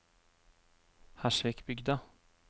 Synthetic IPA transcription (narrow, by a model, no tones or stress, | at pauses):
hæʂvɛkbʏɡd̪a